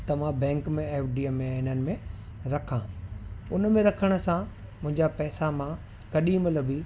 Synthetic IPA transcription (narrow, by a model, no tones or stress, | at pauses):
t̪ɐʋãbɛ̃ːŋkmẽeːfɖiːemːẽaɪnənɪ̆mẽɾɐkʰãʊnmẽɾɐkʰəɽ̃ə̆sã | mʊ̃ɦɪ̃ɲd͡ʑapɛːsamã | kɐɗimlɐbiː